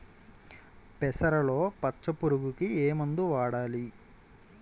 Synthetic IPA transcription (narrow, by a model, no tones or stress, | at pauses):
pɛsɐɾɐlo̞ːpɐt͡ʃːɐpuɾuɡukieːmund̪uʋaːɽaːli